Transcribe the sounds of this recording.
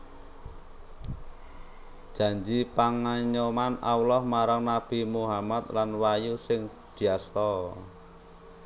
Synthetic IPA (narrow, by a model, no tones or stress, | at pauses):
d̥ʒ̥a̤ɲd͡ʒipaŋaɲomana̰wlɔhmaɾaŋnab̥i̤muɦamat̪lanwajusɪŋ | d̪̥i̤ast̪ɔ